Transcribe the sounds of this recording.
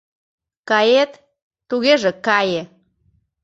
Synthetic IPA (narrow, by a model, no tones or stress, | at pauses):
kɑjet̪ː | uɣeʒekɑje